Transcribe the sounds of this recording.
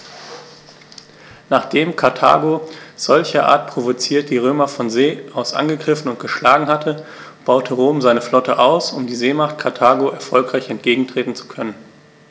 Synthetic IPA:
naːχd̥eːmkʰaɐtʰa̰ːɡoz̥ɔlçɐʔa̰ːɐt̚pʁ̥ovot͡siːɐtd̥iːʁ̞øːmɐfɔnzeːʔaʊsʔa̰nɡəɡʁɪfn̩ʊntɡ̥əʃlaːɡŋ̩hatʰə | b̥aʊtʰəʁoːmzaɪnəflɔtʰəʔaʊsʊmdiːzeːmaχtkʰaɐtʰaːɡoʔɛɐfɔlkʁ̥aɪçɛnt̚ɡ̥eːɡŋ̩tʁ̥eːtn̩t͡su̥kʰœnən

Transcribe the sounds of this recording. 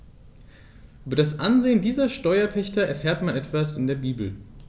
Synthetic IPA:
ʔyːbɐdasʔanzeːəndiːzɐʃtɔʏɐpʰɛçtɐɛɐfɛːɐtmanʔɛtv̥asɪndeːɐbiːbl̩

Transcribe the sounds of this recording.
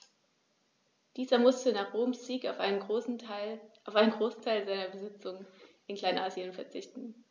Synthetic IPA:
d̥iːzɐmʊstənaːχʁ̥oːmsz̥iːkaʊfnə | aʊfʔaɪnənŋɡʁoːsn̩tʰaɪlzaɪnɐbəzɪt͡sʊŋəʔɪnkʰl̥aɪnʔaːzjənfɛɐt͡sɪçtn̩

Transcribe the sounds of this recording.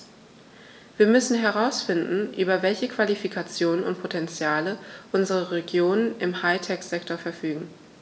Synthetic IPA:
v̥iːɐmʏsn̩ɦɛʁ̞aʊsfɪndn̩ʔyːbɐvɛlçəkv̥alifikʰat͡sjoːnənʊ̰nt̚pʰotʰɛnt͡sjaːləʔʊnzəʁəʁeɡjoːnənʔɪmhaɪtʰɛkz̥ɛktoɐfɛɐfyːɡŋ̩

